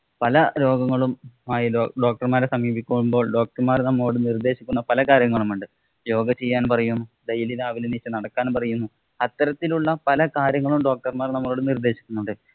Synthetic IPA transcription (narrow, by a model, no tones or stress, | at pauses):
pɐlɐɾo̞ːɡɐŋːɐɭumaːjioːɖo̞ːk̚ʈɐrmaːɾesɐmiːbikʲːumumbo̞ːɭɖo̞ːk̚ʈɐrmaːrnɐmːɐɭo̞ːɽɨnird̪e̞ːɕikʲːunːɐpɐlɐkaːɾjɐŋːɐɭumuɳɖɨ | jo̞ːɡɐt͡ɕe̞jːaːnpɐrɐjunːuɖɐjiliðaːʋilɐniːt͡ɕːɨnɐɽɐkːaːnpɐrɐjunːu | ɐt̪ːɐɾɐt̪ːiluɭːɐpɐlɐkaːɾjɐŋːɐɭumɖo̞ːk̚ʈɐrmaːrnɐmːo̞ːɽɨnird̪e̞ːɕi̥kʲːunːuɳɖɨ